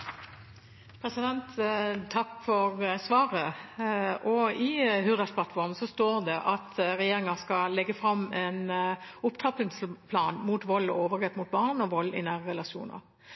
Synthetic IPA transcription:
pʰɾɛsɪd̪ɛnt̪t̪ʰɑkːfɔʁəsʋɑːɾə | ʔɔɪhʉʁd̪əspʰlɑt̪fɔʁɾmsɔst̪oːɾd̪ɛʔɑt̪ɾɛjeːɾɪŋɑskɑlɛɡːəfɾɑmɛnʊpt̪ʰɑplɪŋslpʰlɑːnmut̪ʋɔlːɔoːʋəɾɡɛt̪mʊt̪̚bɑːʁnɔʋɔlːɪ̰næːʁəʁɛlɑʃṵːnə̰ʁ

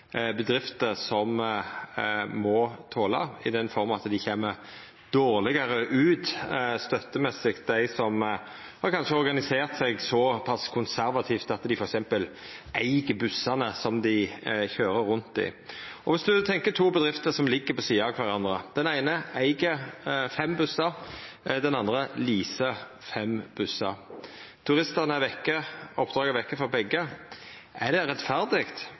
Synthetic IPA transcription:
bəd̪ɾɪft̪əɾsɔm | mɔt̪ʰoːlɑ̰ɪd̪ɛnfɔɾmɑɑt̪d̪ɪçeːmːəɾ | d̪̥oːɾlɪɡɑɾəʔʉːt̪st̪œt̪ːəmɛsɪkt̪̚d̪æɪsɔm | hɑɾkʰɑnʂəɔɾɡɑnɪseːɾt̪sɛɡsɔpʰɑskʰʊnsæɾʋɑt̪ʰiːft̪ɑt̪d̪ɪfɔɾɛksɛmpəlæɪɡəbʉsːɑnəsɔmd̪ɪçøːɾəɾɾʉnt̪ɪ̰ɔʋɪsd̪ʉt̪ʰɛŋkət̪ʰuːbəd̪ʁɪft̪əsɔmlɪɡːəpɔsiːɑkʰʋɑʁɑnd̪ɾəd̪̥ɛnæɪnəæɪɡəfɛmbʉsɑɾ | d̪ɛnɑnd̪ʁəliːsə | fɛmb̥ʉsɑɾt̪ʰʉɾɪst̪əʁnəʋɛkːəɔpːd̪ʁɑːɡəʋɛkːəfɔɾbɛɡːə | ædɛɾɛt̪fæɾd̪ɪɡt̪

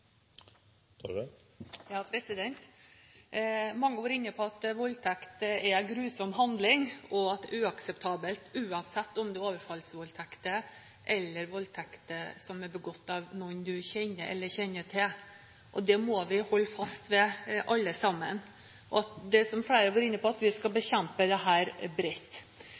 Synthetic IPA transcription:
jɑːpʰɾɛsɪd̪ɛnt̪ | mɑŋːəʋɑɾɪnːəpʰɔɑt̪ʋɔlt̪ʰækt̪əɛɡɾʉːsɔmɦɑnd̪lɪŋɔɑt̪̚d̪ɛʉːɑksɛpt̪ʰɑːbəlt̪ʉːɑnsɛt̪ːɔmd̪ɛoːʋəɾfɑlsəʋɔlt̪ʰækt̪ə | ʔɛlːəɾʋɔlt̪ʰɛkt̪əsɔmɛɾbəɡɔt̪ːɑʋnɔnd̪ʉçɛnːəʔɛ̰lːəɾçɛnːəʈʰɪl | ʔɔd̪ɛmoːʋɪhɔlːfɑst̪ʋɛʔɑlːəsɑmːən | ʔɔ̰ɑt̪d̪ɛsɔmfɽeɪɾəʋoːɾɪnːəpʰɔɑt̪ʋɪskɑbəɕɛmpəd̪ɛɦæːɾbɾɪt̪ː

